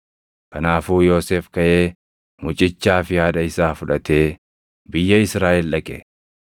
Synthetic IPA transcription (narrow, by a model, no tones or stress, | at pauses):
kɐnaːfuːjo̞ːseːfkɐʔeː | mʊt͡ʃʼɪt͡ʃːaːfɪjaːdɐɪsaːfʊᶑɐt̪e̞ː | bɪjːɐɪsɾaːʔɪlᶑɐkʼɛ̰